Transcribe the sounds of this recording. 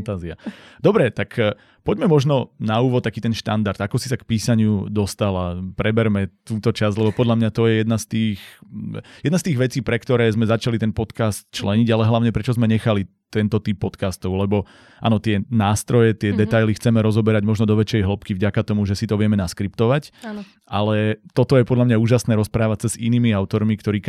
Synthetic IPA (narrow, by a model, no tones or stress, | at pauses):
fant̪aːziad̪ɔbɾɛt̪ak | pɔɟmɛmɔʒnɔnauːʋɔt̪̚t̪ːakiːt̪ɛnʃt̪and̪aɾd̪akɔsi̥sakpiːsaɲɪud̪ɔst̪alapɾɛbɛɾmɛt̪uːt̪ɔt͡ʃazlɛbɔpɔd̪ʎamɲat̪ɔjɛjɛd̪nast̪iːx | jɛd̪nast̪iːɣʋɛt͡siːpɾɛkt̪ɔɾɛːzmɛzat͡ʃalit̪ɛnpɔt̪kast̪̚t͡ʃlɛɲiɟalɛɦlaʊɲɛpɾɛt͡ʃɔzmɛɲɛxalit̪ɛnt̪ɔt̪ipːɔt̪kast̪ɔʊlɛbɔ | ʔa̰nɔt̪ɪɛnaːst̪ɾɔjɛt̪ɪɛd̪ɛt̪ajlixt͡sɛmɛɾɔzɔbɛɾaɟmɔʒnɔd̪ɔʋɛt͡ʃɛjɦl̩pkivɟakat̪ɔmuʒɛsit̪ɔʋɪɛmɛnaskɾipt̪ɔʋacː | ʔalɛt̪ɔt̪ɔjɛpɔd̪lamɲauːʒasnɛːɾɔspɾaːʋat͡sazinimiaʊt̪ɔɾmikt̪ɔɾiː